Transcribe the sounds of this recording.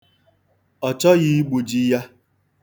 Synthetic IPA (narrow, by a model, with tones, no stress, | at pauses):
ɔ˨t͡ʃɔ˦ɣi˦ɡ͡bu˨d͡ʒi˦ja˦